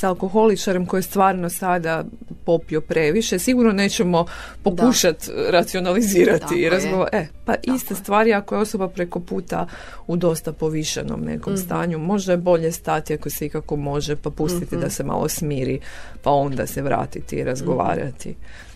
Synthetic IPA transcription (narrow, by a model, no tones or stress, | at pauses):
saalˠko̞xo̞lit͡ʃaɾemko̞jest̪ʋaːɾno̞sad̪a | po̞pio̞pɾe̞ʋiʃe̞siɡuɾno̞ne̞ːt͡ɕe̞mo̞ | po̞kuʃat̪ɾat̪sio̞naliziːɾat̪iiɾazɡoepaʔist̪est̪ʋaːɾiako̞jeo̞so̞bapɾe̞ko̞puːt̪a̰ | ud̪o̞st̪apo̞ʋiʃa̰no̰mnḛko̞mst̪a̰ːɲumo̞ʒd̪aebo̞ʎe̞st̪at̪iakoseikako̞mo̞ʒe̞papust̪it̪id̪ase̞ma̰lˠo̞̰smiːɾipao̞nd̪a̰se̞ʋɾa̰ːt̪it̪ḭːɾazɡo̞ʋa̰ːɾa̰t̪ḭ